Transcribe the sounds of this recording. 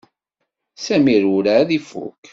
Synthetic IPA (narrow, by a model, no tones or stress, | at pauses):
sæmiɾuɾaðifṵk